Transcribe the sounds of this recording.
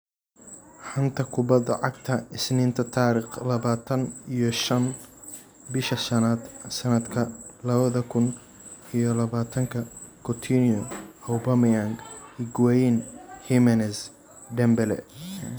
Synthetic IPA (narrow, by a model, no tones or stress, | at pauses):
ħɐnt̪ʰɐkʰʊbɐd̪ɐ̰ʕɑɡt̪ʰɐɪsniːnt̪ʰɐt̪ʰaːɾɪχlɐβaːt̪ʰɐnijɔʃɐn | bɪʃɐʃɐnaːd̪sɐnɐd̪kʰɐ | lɐβɐðɐkʰʊn | ijɞlɐβaːt̪ʰɐŋkʰɐ | kʰɔt̪ʰiniɔɐwbɐmijaŋɡiɡwɛjnhimɛnɛs | ɖɛmbɛlɛ̰